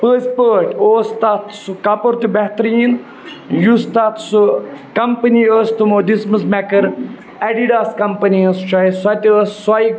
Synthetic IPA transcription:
pəːspəːʈoːst̪aːt̪ʰsukapoɾt̪ubɛɦt̪ɾiːn | just̪at̪sukɐmpɐniːəst̪umoːd̪isməsmɛkɐɾ | ɛɖiɖaːskɐmpɐniəst͡ʃaisɐt̪iəsːai

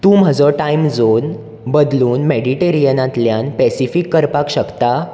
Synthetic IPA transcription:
t̪ũːm̤ad͡zɔʈaimd͡zon | bəd̪luːnmeɽiʈeɾijənãt̪ljanpɛsifikːəɾpakɕəkt̪a

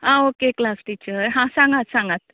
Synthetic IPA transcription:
ãokeklasʈiːt͡ɕəɾɦãsãŋɡat̪sãŋɡat̪

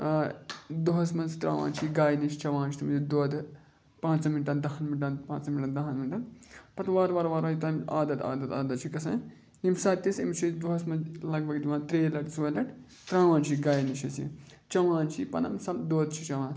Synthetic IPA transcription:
d̪uɦɐsmɐnzt̪ɾa̰ːʋã̰ːnt͡ʃʰiɡaːjniʃt͡ʃɐʋãːnt͡ʃʰit̪ʰɐmizid̪oːd̪ | pãːt͡sɐminʈɐnd̪ɐɦɐnmiʈɐnpãːt͡sɐmʲiʈɐnd̪ɐɦɐnminʈɐnpɐt̪ʋaːɾʋaːɾʋaːɾɐ̃ːit̪ɐmaːd̪ɐt̪a̰ːd̪ɐt̪a̰ːd̪ɐt̪t͡ʃʰikɐsɐ̃ː | imsaːt̪ːisimt͡ʃʰid̪uɦɐsmɐzlɐɡ̚bɐɡd̪iʋãːnt̪ɾeːlɐʈsuɐlɐʈʰ | t̪ɾãːʋãːnt͡ʃʰiɡaːjniʃɐsḭ | t͡ʃɐʋãːnt͡ʃʰipɐ̰nɐ̰msɐld̪oːd̪t͡ʃʰit͡ʃɐwãːn

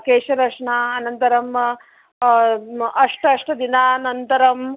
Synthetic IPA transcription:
keːʃɐɾɐʂɳaːɐnɐnt̪ɐɾɐm | ɐʂʈɐɐʂʈɐd̪inaːnɐnt̪ɐɾɐm

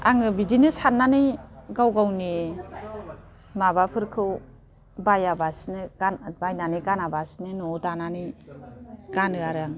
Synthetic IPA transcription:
aŋɯbidinɯsanːaniɡawɡawni | mabapʰɯɾkʰɯw | bajabasnɯɡanbajnaniɡanabasnɯnɔdanani | ɡ̥anɯaɾaŋ

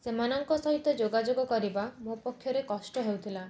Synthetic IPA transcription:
semanɔŋkɔsɔɦit̪ɔd͡ʒoɡad͡ʒoɡɔkɔɾibamopɔkʰːjɔɾekɔsʈɔɦewt̪ʰila

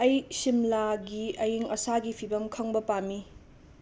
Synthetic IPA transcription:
ɐjsimlaɡiɐjiŋɐsaɡipʰibɐmkʰɐŋbɐpami

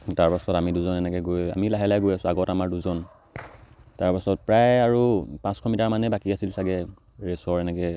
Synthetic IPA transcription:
taɹpasɔtamiduzɔnɛnɛkɛɡoja̰milaɦɛlajɡojasʊ̃aɡɔtamaɹduzɔn | taɹpasɔt̚pɹajaɹupãskʰɔmitaɹmanɛbakiasilsaɡɛ | ɹesɔɹɛnɛkɛ

